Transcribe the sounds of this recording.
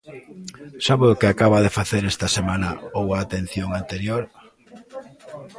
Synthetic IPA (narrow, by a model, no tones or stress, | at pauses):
saβoðʊkɪakaβaðefaθeɾest̪ɐsemanɐowaːt̪en̟θjoŋant̪eɾjoɾ